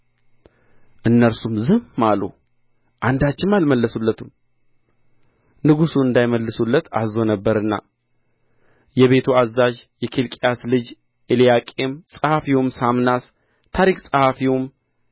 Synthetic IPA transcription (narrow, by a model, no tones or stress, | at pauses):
ʔɨnːəɾsumzɨmːalṵ | ʔand̪at͡ʃːɪmalməlːəsulːət̪ʰum | nɨɡusuɨnd̪ajməlːɨsulːət̪ʰa̰zo̞nəbːəɾɨnːa̰ | jɛβe̞t̪ʰuazaʒjɛkʰelkʼjaslɨd͡ʒ | elijakʼe̞msʼəhafiwomsamnas | t̪ʰaɾikʼsʼəhafiwm